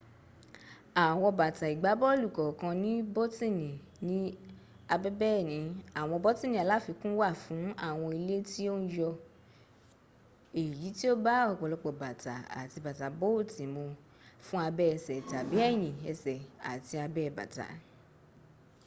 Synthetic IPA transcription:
a˨w̃ɔ̃˧ɔ˧ba˨ta˨i˨ɡ͡ba˨˦bɔ˦o˦lu˦˨kɔ˨kã˧nĩ˦bo˦ti˦˨nĩ˨ | nĩ˨˦ | a˧bɛ˦bɛ˦˨nĩ˨˦a˨w̃ɔ̃˧bɔ˦tĩ˦˨nĩ˨a˨la˨˦fi˧kũ˦wa˦˨fũ˨˦a˦˨w̃ɔ̃˧i˧le˦ti˦o˦n̩˦jɔ˧ | e˨ji˨˦ti˦o˦ba˦ɔ˦˧˨k͡pɔ˧lɔ˧˦k͡pɔ˨ba˨ta˨a̰˨ti˧ba˨ta˨˦bo˦o˦˨tĩ˨mõ˧ | fũ˦a˧bɛ˦ɛ˧˨sɛ˨ta˨bi˨˦ɛ˦˨j̃ĩ˨ɛ˧sɛ˨a̰˨ti˧a˧bɛ˦˨ba̰˨ta̰˨˦

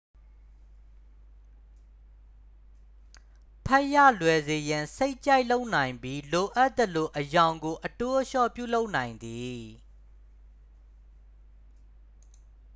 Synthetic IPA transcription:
pʰɛ˦ʔja̰˦˨lwɛ˨ze˨jã˨nse˦ɪʔt͡ɕa˦ɪʔlo˦ʊʔnã˨ɪ̃mbi˦lo˨ʔa˦t̪ə˨lo˨ʔəjã˨ʊ̃ŋɡo˨ʔəto˦ʔəʃɔ̰˦˨pjṵ˦˨lo˦ʊʔnã˨ɪ̃nd̪i˨

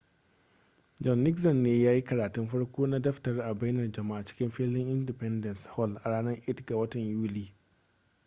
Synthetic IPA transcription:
d͡ʒɔ˨nːɪ˦ksɔ˨nːeː˦jaː˦ji˦kɐ˨ɾaː˨tʊ˦mɸɐ˦ɽkʷoː˦na˦dɐ˦ɸtɐ˨rʔa˨ba˦jnɐ˨rd͡ʒɐ˨ma˦ʔa˨t͡ʃɪ̥˦kʲɪ˦mɸɪː˦lɪ˦ŋʔɪ˦ndɪ˨pɛ˦ndɐ˨nshɔ˦˨lʔa˨ɽaː˦nɐ˦rʔɪ˦tɡa˨wɐ˦tɐ˨ɲjuː˦liː˨

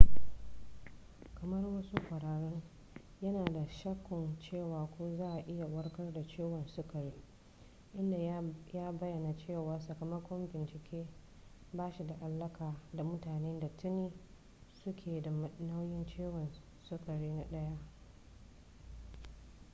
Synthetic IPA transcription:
kɐ˨mɐ˦rwɐ˦su˦kʷɐ˨ɽaː˨ɽɔ˦ŋ | jɐ˦naː˨da˨ʃɐ˦kʷːɔ˨nt͡ʃeː˦˨waː˨kʷoː˦zaː˦˨ʔa˨ʔɪ˦ja˨wɐ˦rkɐ˦rda˨t͡ʃeː˦wɔ˨nsʊ˦kɐ˨ɾiː˦ | ʔɪ˦nda˨jaː˦bɐ˦jːɐ˨na˨t͡ʃeː˦˨waː˨rsɐ˨kɐ˨mɐ˦kʷɔ˦mbɪ˨nt͡ʃɪ˨kʲʰeː˦ | baː˦ʃi˨da˨ʔa˨lːɐ˦kʰaː˨da˨mʊ˦taː˨neː˦da˨tʊ˦neː˦ | sʊ˦kʲʰeː˨da˨na˦wjɪ˦nt͡ʃeː˦wɔ˨n | sʊ˦kɐ˨ɾiː˦na˦ɗɐ˦ja˦ʔ

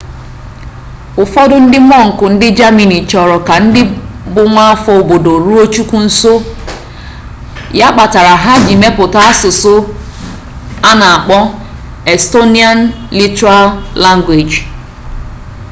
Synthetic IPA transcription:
ʊ˨fɔ˦dʊ˦n̩˦dɪ˦mɔ˦˨ŋ̩˨kʊ˨n̩˦dɪ˦d͡ʒa˦mi˨ni˨t͡ʃɔ˨ɾɔ˨ka˨n̩˦dɪ˦bʊ˦ŋʷa˦a˦fɔ˦o˨bo˨do˨ɾu˦o˦t͡ʃu˦kʷu˦n̩˦so˦ | ja˦k͡pa˨ta˨ɾa˨ɦa˦ɡi˨me˦pʊ˨ta˦a˦sʊ˨sʊ˦ | a˦na˨a˨k͡pɔ˦ | e˨sto˦ni˦a˦n | li˦tɾa˦lla˦ŋɡwe˨d͡ʒ

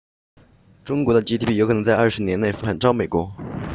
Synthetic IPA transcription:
ʈ͡ʂʊ˥ŋkwɔ˧˥d̪ə˧t͡ɕi˥i˧˩pi˥˩jk̪ʰŋt͡sa˥˧ɪɐ˞˥˩ʂɻ̩˧˥njɛ˧˥ne˥˩ɪfa˨˩nʈ͡ʂɑ˥me˨˩ɪkwɔ˧˥

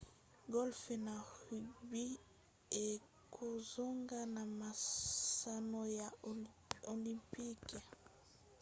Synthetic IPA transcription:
ɡɔ˦lfe˨na˨ʁy˨bi˦ | e˨ | kʰo˨zo˦ŋɡa˦na˨ma˨sa˨no˨ja˨ | o˨li˨mpi˦k

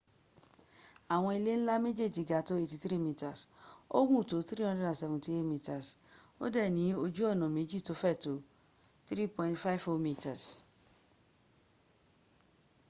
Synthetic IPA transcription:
a˨w̃ɔ̃˧i˧le˦ñ̩˦la˦mẽ˦d͡ʒe˦˨d͡ʒi˨˦ɡa˨˦to˦e˧ti˧tɾi˦˨mĩ˧ta˨so̰˦ɡũ˦˨to˨˦tɾi˦ɔ̃˧˦dɾɛ˦dã˨sɛ˧vũ˨˧ti˧˦e˦mĩ˧ta˨s | o̰˦dɛ˦˨nĩ˨˦o˧d͡ʒu˦ɔ˦˨nɔ̃˨mẽ˨˦d͡ʒi˦˨to˨˦fɛ˦˨to˨˦ | tɾi˦˨pɔ̃˧ĩ˦tfa˦i˨fo˧˦mĩ˧ta˨s

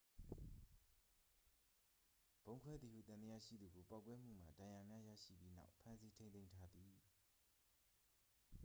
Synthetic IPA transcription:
b̥õ˦ʊ̃ŋkʰwɛ˦d̪ði˨hṵ˦˨t̪ã˨d̪ə˦jä̰˦˨ʃḭ˦˨d̪u˨ɡo˨pa˦˨kwɛ˦m̥ṵ˦˨m̥a̰˨dã˨ja˨mja˦ja̰˦˨ʃḭ˦˨pji˦na̰˦ʊpʰã˦nsi˦tʰẽ˦nẽ˦ɪ̃ntʰa˦d̪i˨

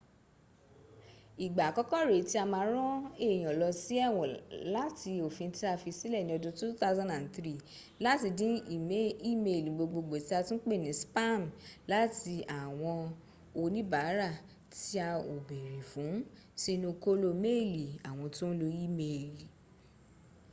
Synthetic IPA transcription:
i˨ɡ͡ba˨kɔ˦kɔ˦ɾe˨˦ti˦a˧mãː˧˦ɾ̃ɔ̃˦e˦˨j̃ɔ̃˨lɔ˧si˦ɛ˦˨w̃ɔ̃˨la˦ti˧o˨fĩ˧˦ti˦a˧fi˧si˦lɛ˦˨nĩ˧˦ɔ˧dũ˦tu˦t̪a˦zã˦na˨ntɾi˦ | la˨˦ti˧dĩ˨˦i˨me˦i˦me˨lɡ͡bo˧ɡ͡bo˧ɡ͡bo˨ti˦a˧tũ˦k͡pe˦˨nĩ˨˦spa˦˨n˨la˦ti˧a˨w̃ɔ̃˧ | o˧nĩ˦ba˨˦ɾa˦˨ | ti˦a˧o˨be˨ɾi˨fũ˨˦ | si˦nũ˧ko˦lo˧me˦˨li˨a˨w̃ɔ̃˧to˦n̩˦lo˧i˦me˧˨li˨

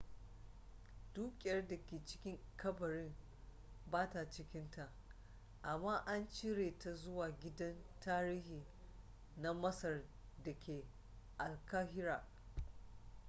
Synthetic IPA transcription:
d̥uː˦kʲʼɪ˨jɐ˦rda˨kʲeː˨t͡ʃɪ̥˦kʲɪ˦ŋkʰɐ˦bɐ˨ɽɪ˦m | baː˦ta˨t͡ʃɪ˦kʲɪ˦nta˨ʔ | ʔa˨mːaː˦ʔa˦nt͡ʃi˦ɽeː˨ta˨zʊ˦waː˨ɡʲɪ˦dɐ˦ntaː˦ɾiː˦hiː˨ | na˦mɐ˦sɐ˨r | da˨kʲʰeː˨ | ʔa˨lkaː˦hɪ˦ɾaː˨

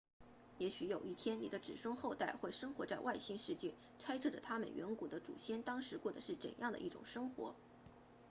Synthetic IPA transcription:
jɛ˧˥ɕy˧˥jo˨˩ʊi˥˩t̪ʰjɛ˥nnḭ˨˩d̪ə˦ʈ͡ʂɻ̩˨˩ʂʊ˥ŋxo˥˧ʊt̪a˥˩ɪxwe˥˩ɪʂɤ˥ŋxwɔ˧˥t͡sa˥˧ɪwʔa˥˧ɪɕi˥nʂɻ̩˥˧t͡ɕjɛ˥˩ | ʈ͡ʂʰa˥ɪʈ͡ʂʰɤ˥˩ʈ͡ʂə˩t̪ʰa˥mə̰˨˩nɥʔɛ̰˧˥nku˨˩d̪ə˦ʈ͡ʂṵ˨˩ɕjɛ˥nt̪ɑ˥ŋʂɻ̩˧˥kwɔ˥˩d̪ə˩ʂɻ̩˥˩ʈ͡ʂə̰˨˩njɑ˥˩ŋd̪ə̰˩ʔi˥˩ʈ͡ʂʊ̰˨˩ŋʂɤ˥ŋxwɔ̰˧˥

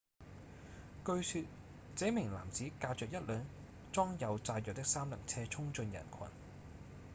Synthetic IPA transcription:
kɵ˧ɥsyː˧t̚ | t͡sɛː˨˥mɪ˨˩ŋla̰ː˨˩mt͡siː˨˥kaː˧wt͡sœː˨k̚jɐ˥t̚lœː˨˧ŋ | t͡sɔː˥ŋjɐ˨˧wt͡saː˧jœː˨k̚t̪ɪ˥k̚saː˥mlɐ˨˩ŋt͡sʰɛː˥t͡sʰʊ˥ŋt͡ʃɵ˧njɐ̰˨˩nkʰɐ̰˨˩n

